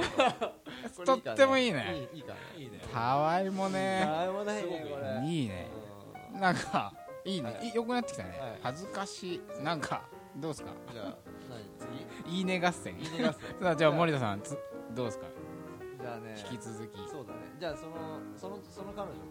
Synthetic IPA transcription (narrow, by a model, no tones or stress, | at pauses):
t̪o̞t̪ːe̞mo̞iːnḛ | t̪ʰaβaimo̞neaimoneoɾiːnḛ̃ | nãŋka | iːneʔijo̞kɯ̟nat̪ːekʲi̥t̪a̰nḛhazɨkaɕinãŋkʰa̰ | d̪o̞ːsɨ̥ka̰a | iːne̞ɡasːḛ̃ad͡ʑaːmo̞ɾit̪asã̰nt͡sɨd̪o̞ːsɨ̥ka̰d͡ʑaneçi̥kʲit͡sɨzɨkʲioːd̪anḛd͡ʑaːsonosonosonokaɾoɲi